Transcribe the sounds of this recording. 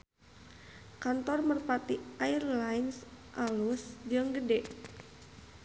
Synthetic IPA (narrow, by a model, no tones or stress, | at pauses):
kant̪ɔrmərpat̪iʔairlajnsʔalusd͡ʒəŋɡədɛʔ